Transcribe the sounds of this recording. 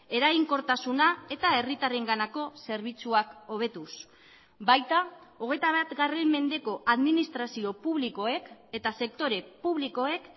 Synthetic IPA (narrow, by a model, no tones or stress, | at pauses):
e̞ɾaɣiŋko̞ɾt̪asunae̞t̪ae̞rit̪areŋɡanako̞se̞ɾβit͡suako̞β̞e̞t̪us | bajt̪ao̞ɣ̞e̞jt̪aβat̪ɡare̞mme̞nd̪e̞ko̞ʔaðminist̪ɾasio̞puβliko̞e̞ke̞t̪ase̞kt̪o̞ɾe̞puβliko̞e̞k